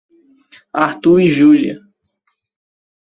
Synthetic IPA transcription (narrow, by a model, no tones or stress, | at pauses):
aɾt̪uɾiʒuliɐ̰